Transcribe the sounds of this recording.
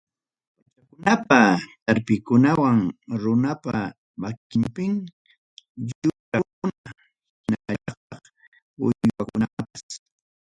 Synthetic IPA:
at͡ʃakʊnapat̪aɾpɪkʊnawaŋɾʊnapa | makɪmpɪŋ | ʎʊɾa | ʊna | naaɑt̪ɑχ | ʊ̰jwakʊnapas

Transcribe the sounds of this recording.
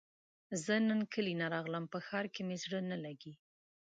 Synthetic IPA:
zənənkəlinaɾɑɣləmpəxɑɾkemezɽənalaɡi

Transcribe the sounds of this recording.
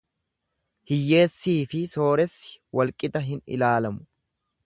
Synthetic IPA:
hɪjːe̞ːsːiːfɪso̞ːɾɛsːɪ̥wɐlkʼɪt̪ɐɦɪnɪ̰laːlɐmʊ̥

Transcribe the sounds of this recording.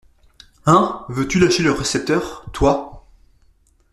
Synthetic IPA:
ɛ̃vøt̪ylaʃeləʁesɛp̚t̪œʁt̪wa

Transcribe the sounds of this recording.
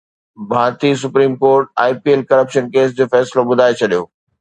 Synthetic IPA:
bʱaːɾt̪is̬ʊpɾiːmkoːɾʈ̚a̰ːɪpieːlkɐɾəpʃənkeːs̬d͡ʑoːfɛːsloɓʊd̪ʱaːet͡ɕʰɐɗijoː

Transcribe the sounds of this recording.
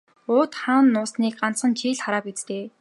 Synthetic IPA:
ʊːt̪χaːnːʊːsniːk̚ɢan̥t͡sχə̆nt͡ɕʰiːɮχaɾaːpit͡st̪eː

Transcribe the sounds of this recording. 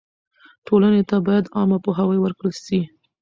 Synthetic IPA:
ʈʰolanet̪abɑjad̪ɑmapoɦawəjwəɾkɽəlʃi

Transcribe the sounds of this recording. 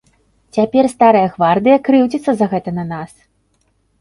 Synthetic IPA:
t͡sʲapʲɛrst̪aɾɐjɐɣvard̪ɨjɐkɾɨwd͡zʲit̪sːɐzɐɣɛt̪ɐnɐnas

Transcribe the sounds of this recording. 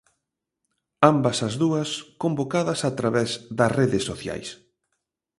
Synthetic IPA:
ambɐsɐzðuɐskombokaðɐsat̪ɾaβɛzðɐsreðɪsːoθja̰js

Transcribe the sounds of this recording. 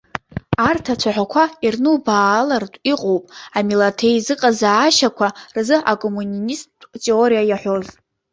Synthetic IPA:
artʰat͡ʃʷʰaħᶣʷakʷʰairnɨwbaːlartʼiqʼowpʼamilatʰejzɨqʼazaːʃakʷʰarzɨakʼomunnistʼtʰʼeoɾijajaħʷo̞z

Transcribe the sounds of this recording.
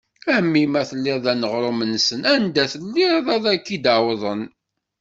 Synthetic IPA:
æmːimæθəlːiðˤænəʁɾˤomənːsənænd̪æθəlːiðˤæðækːid̪awðˤən

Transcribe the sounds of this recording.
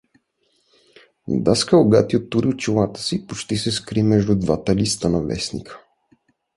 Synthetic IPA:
d̪askəʊɡat̪iot̪ːuɾiʊt͡ʃilˠat̪ə̥sipot͡ʃt̪isɛskɾimɛʒd̪ud̪vat̪əlist̪ənɐvɛ̰snḭkʰə̥

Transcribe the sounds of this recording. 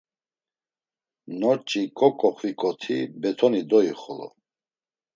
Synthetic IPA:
nɔt͡ʃʼikʼɔkʼɔχʰvikʼɔt̪ʰibɛt̪ʰɔnid̪ɔiχɔlɔ̰

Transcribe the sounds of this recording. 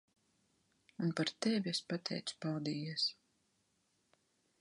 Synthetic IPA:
unpaɾt̪ɛvʲiɛspat̪ʰɛ̰jt̪spawd̪iːiɛs

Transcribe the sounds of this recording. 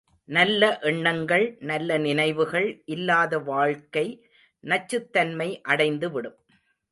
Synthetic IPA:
nɐlːɐʔɛɳːɐŋɡɐɭnɐlːɐnɪnɐɪʋɯɣɐɭʔɪlːaːðɐʋaːɻkɐɪ | nɐt͡ʃːɯt̪ːɐnmɐɪʔɐɽɐɪnd̪ɯʋɪɽɯm

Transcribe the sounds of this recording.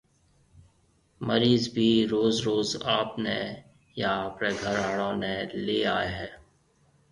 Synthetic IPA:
məɾiːzbʱiːɾoːzɾoːzaːpne | jaːpɾeːɡʱəɾaːɽõːneːleːaːeɦɛː

